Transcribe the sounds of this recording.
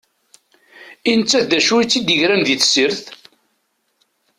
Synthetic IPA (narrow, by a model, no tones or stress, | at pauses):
inət͡sːæθðæʃuit͡sːid̪əʝɾænðiθsəɾθ